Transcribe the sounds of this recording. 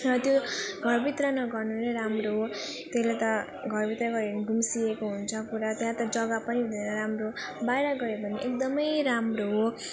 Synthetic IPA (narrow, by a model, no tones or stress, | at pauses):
rʌt̪joɡʱʌrbit̪rʌnʌɡʌrnuneɾamroɦo | t̪eslet̪ʌ | ɡʱʌrbit̪ɾʌɡʌeɡʱumsiekoɦunt͡sʰʌkuɾat̪jãt̪ʌd͡zʌɡʌpʌnibʱd̪ʱeɾʌɾamrobajɾʌɡʌɾebʱʌniʔekd̪ʌmʌjɾamroɦo